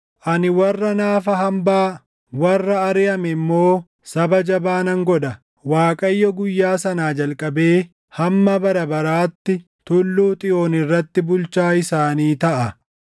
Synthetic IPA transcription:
ʔɐnɪwɐrːɐnaːfɐɦɐmbaː | wɐrːɐːɾɪjɐmɛmːo̞ː | sɐbɐd͡ʒɐbaːnɐŋɡɔᶑɐ | waːkʼɐjːɔɡʊjːaːsɐnaːd͡ʒɐlkʼɐbe̞ː | hɐmːɐbɐɾɐbɐɾaːt̪ːɪ | t̪ʊlːuːt̪ʼɪjo̞ːnɪrːɐt̪ːɪbʊlt͡ʃaːɪsaːniːt̪ɐʔɐ

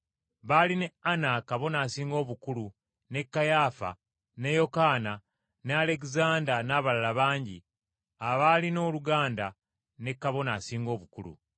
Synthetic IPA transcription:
βaline̞anakaβo̞naːsiːŋɡo̞ːβukulu | ne̞kːajaːfa̰ | ne̞jo̞kaːna | neale̞kizaːndanaːβalalaβaːɲɟi | aβalino̞ːluɡaːnda | ne̞kːaβo̞nasiːŋɡo̞ːβukulṵ

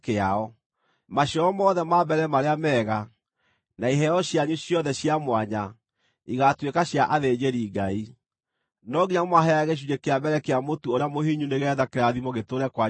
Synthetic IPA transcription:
keaɔ | maɕɔɔmɔːðɛmabɛɾɛmaɾeamɛːɣa | naiɦɛɔɕjaɲuɕjɔðɛɕjamwaɲa | iɣatwekaɕjaʔaðed͡ʑeɾiːɡai | nɔɣiɲamaɦɛaɣeʃ̬uɲekeabɛɾɛkeamotuoɾeamohiɲuneɣɛːðakeɾaðimɔɣetoɾɛkwa

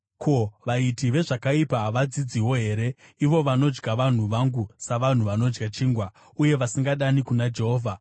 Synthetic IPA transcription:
kʰo̞ʋaitiʋe̞ʐakaipaɦʋad͡zid͡ziwo̞ɦe̞ːɾe̞iʋo̞ʋano̞d͡ʒɡaʋan̤uʋaŋɡusaʋan̤uʋano̞d͡ʒɡat͡ʃiːŋɡwa | uje̞ʋasiŋɡaɗanikunad͡ʒe̞ɦoːvʱa

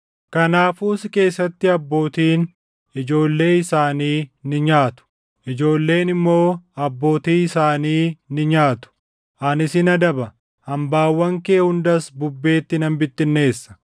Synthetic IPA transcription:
kɐnaːfuːsɪke̞ːsːɐt̪ːɪɐbːo̞ːt̪iːn | ɪd͡ʒo̞ːlːe̞ːɪsaːniːnɪɲaːt̪ʊ̥ | ʔɪd͡ʒo̞ːlːe̞ːnɪmːo̞ːɐbːo̞ːt̪iːɪsaːniːnɪɲaːt̪ʊ̥ | ʔɐnɪsɪnɐd̪ɐbɐ | hɐmbaːwːɐŋkeːhʊnd̪ɐsbʊbːe̞ːt̪ːɪnɐmbɪt̪ːɪnːe̞ːsːɐ̥

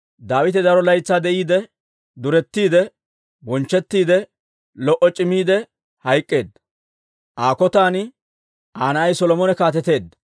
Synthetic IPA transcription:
d̪aːwɪt̪ɛd̪ɐɾɔlɐjt͡sːaːd̪ɛʔiːd̪ɛ | d̪ʊɾɛt̪ːiːd̪ɛ | bɔnt͡ʃːɛt̪ːiːd̪ɛ | lɔʔɔt͡ʃʼɪmiːd̪ɛ | hɐjkʼːe̞ːd̪ɐ | ʔaːkɔt̪aːnɪ | ʔaːnɐʔɐjsɔlɔmɔnɛkaːt̪̬ɛt̪e̞ːd̪ːɐ

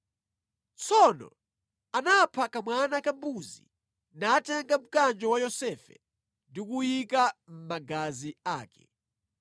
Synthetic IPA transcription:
t͡sɔnɔ̰ | anapʰakamwanakabuzḭ | naːtɛŋɡam̩kand͡ʒɔwajɔsɛfɛ̰ | ndikujikam̩maɡaziaːkɛ̰

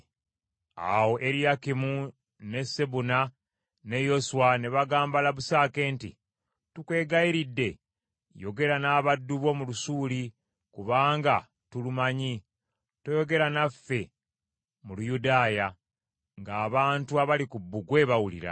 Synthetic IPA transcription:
a̰wo̞ʔe̞ɾijakimu | ne̞seβuna | ne̞jo̞suwane̞βaɡaːmbalaβusaːke̞ːntḭ | tukwe̞ːɡajiɾidːe̞ | jo̞ɡe̞ɾanaːβadːuβo̞mulusuːli | kuβaːŋɡa | tulumaɲi | to̞jo̞ɡe̞ɾanafːe̞ | mulujudaːja | ŋɡaːβaːntuaβalikubːuɡwe̞ːβawulḭɾa̰

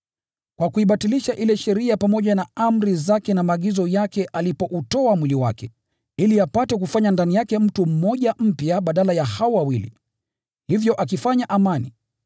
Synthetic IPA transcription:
kwakuiɓatiliʃaʔilɛʃɛɾiapamɔʄanaam̩ɾizakɛnamaːɠizɔjakɛʔalipɔʔutɔamwiliwa̰kɛ | iliapatɛk̬ufaɲandanijakɛm̩tum̩mɔʄam̩pjaɓaɗalajahaɔwawilḭ | hivjɔʔak̬ifaɲaʔamani

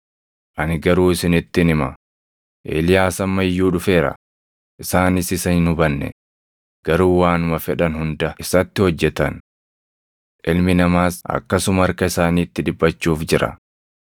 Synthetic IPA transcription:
ʔɐnɪɡɐɾuːɪsɪnɪt̪ːɪnɪmɐ̰ | ʔḛːlɪjaːsɐmːɐjːuːᶑʊfe̞ːɾɐ̰ | ʔɪsaːnɪsɪsɐhɪnhʊbɐnːɛ̰ | ɡ̥ɐɾuːwaːnʊmɐfɛᶑɐnhʊnd̪ɐɪsɐt̪ːɪhɔd͡ʒːɛt̪ɐn | ʔɪlmɪnɐmaːsʔɐ̰kːɐsʊmɐɾkɐɪsaːniːt̪ːɪᶑɪbːɐt͡ʃːuːfd͡ʒɪɾɐ̰

